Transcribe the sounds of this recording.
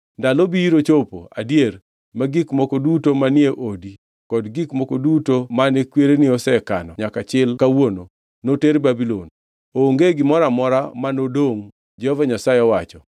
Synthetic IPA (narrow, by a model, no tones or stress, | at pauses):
ndalobiiɾot͡ʃopo̰a̰djer | maɡikmɔkodutomanɪeʔodi | kɔdɡikmɔkodutomanekweɾenɪɔsɛkanɔɲakat͡ʃɪlkawono | noteɾbabilon | oŋɡeɡɪmɔɾamɔɾamanodoŋ | d͡ʒɛhɔvaɲasaeɔwat͡ʃɔ